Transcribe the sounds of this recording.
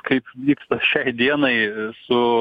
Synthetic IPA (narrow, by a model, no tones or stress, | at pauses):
kɐɪpʋʲiːkst̪ɐʃʲɛɪd̪ʲiɛnɐɪsʊ